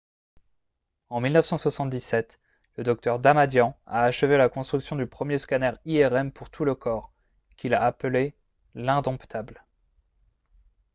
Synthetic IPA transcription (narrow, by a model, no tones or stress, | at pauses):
ɑ̃milnəfsɑ̃swasɑ̃t̪̚d̪isɛt̪ | ləd̪ɔk̚t̪œʁd̪amad̪jɑ̃a̰ːʃəvelakɔ̃st̪χyksjɔ̃d̪ypχəmjeskanɛʁiɛʁɛmpuʁt̪ʰuləkʰɔʁ | kʲʰilaaple | lɛ̃d̪ɔ̃pt̪ʰabl